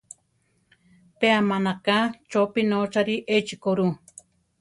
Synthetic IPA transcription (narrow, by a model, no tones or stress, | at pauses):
peamanakat͡ʃopinot͡ʃaɾiʔet͡ʃikoɾu